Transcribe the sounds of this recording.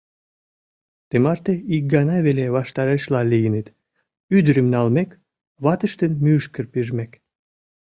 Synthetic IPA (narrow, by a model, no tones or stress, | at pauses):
t̪emɑrt̪eik̚ɡɑnɑβeleβɑʃt̪ɑɾəʃlɑlʲijənet̪ | yd̪ɾəmnɑlmek | βɑt̪əʃt̪ənmyʃkərpiʒmek